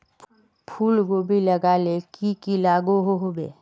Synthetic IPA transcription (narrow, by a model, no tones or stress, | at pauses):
pʰuːlɡobʱiləɡaːlekikilaːɡoɦoɦobḛː